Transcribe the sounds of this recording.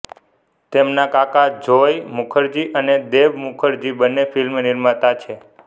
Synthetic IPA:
t̪emnakakad͡ʒojmukʰəɾd͡ʒiʔəned̪eʋmukʰəɾd͡ʒibənːefʰilmnɪɾmət̪at͡ʃʰe

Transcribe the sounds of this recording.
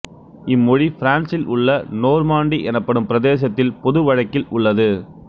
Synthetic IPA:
ɪmːɔɻifɪɾaːnsɪlʔʊɭːɐnoːɾmaːɳɖiʔɛnɐpːɐɽɯmpɪɾɐðeːs̬ɐt̪ːɪlpɔðɯʋɐɻɐkːɪlʊɭːɐðɯ

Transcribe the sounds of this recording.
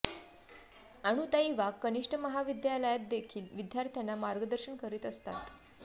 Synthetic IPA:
aɽ̃ũt̪aiʋakkːəniʂʈʰəməɦaʋid̪jaləjat̪̚d̪ekʰiːlʋid̪jaɾt̪ʰjanːamaɾɡəd̪əɾɕəɳkəɾiːt̪əst̪a̰t̪

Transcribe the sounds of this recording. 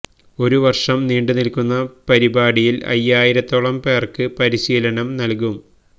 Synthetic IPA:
o̞ɾuʋɐrʂɐmniːɳɖɨnilkunːɐpɐɾibaːɽijilɐ̰jːaːjiɾɐt̪ːoɭɐmpe̞ːrkɨpɐɾiɕiːlɐɳɐmnɐlkum

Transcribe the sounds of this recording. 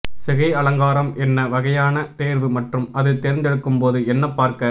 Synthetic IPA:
sɛɣɐɪɐlɐŋɡaːɾɐmɛnːɐʋɐɣɐjaːnɐt̪eːɾʋɯmɐʈrɯmɐðɯt̪eːɾɪnd̪ɛɽɯkːɯmpoːðɯɛnːɐpːaːɾkɐ

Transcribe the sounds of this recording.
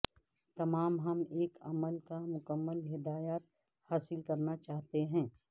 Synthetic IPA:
t̪ɐmaːmɦɐmeːkʰɐ̰məlkamʊkəmːəlɦɪd̪aːjaːt̪̚ | haːsɪlkɐɾnat͡ʃaːɦt̪eɦɛ̃ː

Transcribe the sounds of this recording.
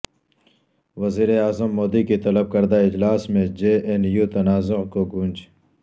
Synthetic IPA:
ʋɐziːɾeaːzəmːoːd̪ikit̪ɐlɐb̚kɐɾd̪aɪd͡ʒlaːsmẽd͡ʒeːʔenjuːt̪ɐnaːzʊqkoɡũːnd͡ʒ

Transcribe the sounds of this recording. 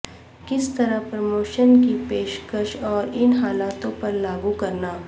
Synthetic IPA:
kɪst̪ɐɾəpɾɐmoːʃənkipeːʃkəʃɔːɾɪnɦaːlaːt̪õpɐɾlaːɡukɐɾnaː

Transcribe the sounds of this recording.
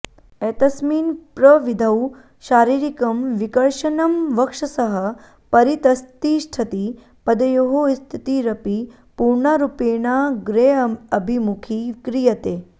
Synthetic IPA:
eːt̪ɐsmiːnpɾəʋid̪ʱɐw | ʃaːɾiːɾikɐmʋikɐɾʃɐnɐmʋɐkʂɐsɐɦə | pɐɾit̪ɐst̪iʃʈʰɐt̪i | pɐd̪ɐjoɦost̪ʰit̪iɾɐpi | puɾɳaɾupenaɡɾeɐbʱimukʰikɾijɐt̪eː

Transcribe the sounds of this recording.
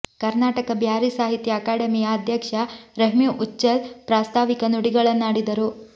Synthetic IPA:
kɐɾnaːʈɐkɐbʱjaːɾisaːɦit̪jɐːkaːɽɐmijɐːd̪ʱjɐkʂɐɾɐɦmjuʔut͡ʃːɐlpɾaːst̪ʰaːʋikɐnuɽiɡɐɭɐnːaːɽid̪ɐɾu

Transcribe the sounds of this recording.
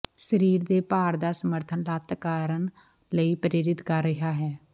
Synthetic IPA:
ʃəɾiːɾd̪eːpaːɾd̪aːsəməɾt̪ʰənlaːt̪kaːɾəɳ | ləiːpəɾɪɾɪt̪kəɾːəɦaːɦɛː

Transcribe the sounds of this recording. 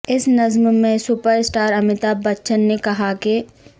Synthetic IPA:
ɪsnɐzmmẽsʊpəɾsʈaːɾɐmɪt̪abɐtːʃənːekɐɦaki

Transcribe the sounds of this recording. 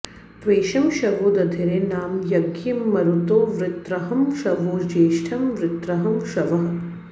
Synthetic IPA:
t̪ʋeːʃɐmʃɐʋoːd̪ɐd̪ʱiɾenaːmjɐɡjimːɐɾut̪oːʋɾɪt̪ɾɐɦɐmʃɐʋoːd͡ʒeːʃʈʰɐmʋɾɪt̪ɾɐɦɐmʃɐʋɐɦɐ

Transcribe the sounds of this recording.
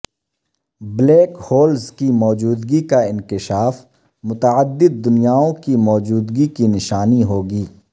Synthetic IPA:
bleːkhoːlzkimɔːd͡ʒuːd̪ɡikaɪnkɪʃaːf | mʊt̪əəd̪ːɪd̪̚ːʊnijaːõkimɔːd͡ʒuːd̪ɡikinɪʃaːniɦoːɡiː

